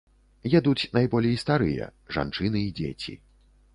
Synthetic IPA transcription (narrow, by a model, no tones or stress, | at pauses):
jɛd̪ut͡sʲnajbɔlʲɛjst̪aɾɨjɛ̰ʐa̰nt͡ʂɨnɨid͡zʲḛt͡sʲḭ